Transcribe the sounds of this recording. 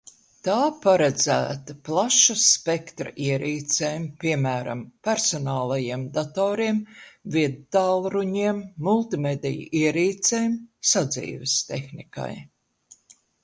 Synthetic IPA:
t̪aːpaɾad̪z̥æ̰ːt̪aplˠaʃaspekt̪ɾɐ̰ʔiɛɾiːt̪sɛmpʲiɛmæːɾa̰mpæɾsɔnɑːlˠajiɛmd̪at̪oːɾiɛmviɛd̪t̪aːlˠɾuɲiɛmːulˠt̪imed̪ʲɛjṵiɛɾiːt̪sɛːjmsad̪zḭːvest̪exnika̰j

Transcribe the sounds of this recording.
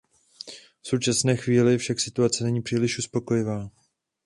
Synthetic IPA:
fsowt͡ʃasnɛːxviːlɪfʃaksɪt̪uat͡sɛnɛɲiːpr̥iːlɪʃʔuspo̞ko̞jɪvaː

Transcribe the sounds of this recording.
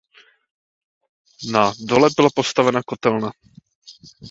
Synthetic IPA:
nadolɛbɪlapost̪avɛnakot̪ɛlna

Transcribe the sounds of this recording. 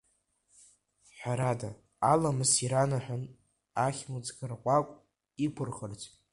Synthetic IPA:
ħʷᶣaɾada | alamɨsiɾanaħʷᶣan | aχʲmud͡zʼɡarqʷʼakʷʼ | ikʷʰʊrχərt͡sʷʼ

